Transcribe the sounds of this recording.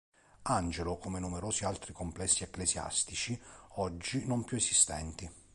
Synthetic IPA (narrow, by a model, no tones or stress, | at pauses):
and͡ʒelʊkomenumɛɾoːzialt̪ɾikomplɛsːiɛkːlesja̰st̪it͡ʃiɔd͡ʒːinɔmpjuesist̪ɛ̰nt̪i